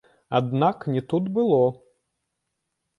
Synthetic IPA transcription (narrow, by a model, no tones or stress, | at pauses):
ad̪naknʲɛt̪ut̪bɨlˠɔ